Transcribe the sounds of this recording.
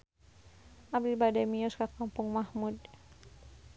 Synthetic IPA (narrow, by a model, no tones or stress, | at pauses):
ab̚d̪ilbadamiɔskakːampuŋmahmud